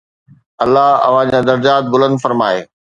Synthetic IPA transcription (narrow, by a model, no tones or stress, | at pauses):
ɐlːaɦɐ̰ʋ̤ãd͡ʑaːd̪ɐɾd͡ʑaːt̪̚bʊlə̃nd̪fɐɾmaːeː